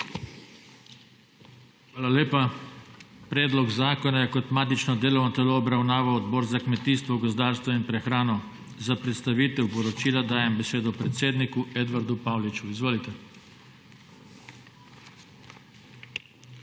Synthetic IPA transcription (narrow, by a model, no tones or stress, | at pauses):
xʋaːlaleːpa | pɾɛːd̪lɔɡzaːkɔnajɛkɔt̪maːt̪it͡ʃnɔd̪eːlɔwnɔt̪ɛloːbɾawnaːʋawɔd̪bɔːɾzakmɛt̪iːst̪ʋɔɡɔzd̪aːɾst̪ʋɔinpɾɛxɾaːnɔ | zapɾɛt̪st̪aʋiːt̪ɛwpɔɾɔt͡ʃiːlad̪aːjɛmbɛseːd̪ɔpɾɛt̪seːd̪nikuɛd̪ʋaɾd̪upawlit͡ʃuizʋoːlit̪ɛ